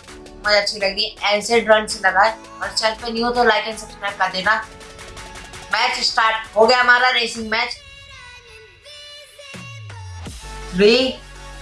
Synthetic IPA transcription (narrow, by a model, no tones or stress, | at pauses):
mɐd͡ʒɐtːʃʰilɐɡd̪ieɛːseɖɾɐ̃ɳɖselɐɡaːɛ | ɔːɾt͡ʃɛ̃npẽnjut̪olaːkensɐsmɛkɐɾd̪eːna | mɛːt͡ʃɪsʈaːɾʈɦoːɡɐjaɦɐmaːɾaɾeːsɪ̃ŋɡmɛːt͡ʃ | ɾi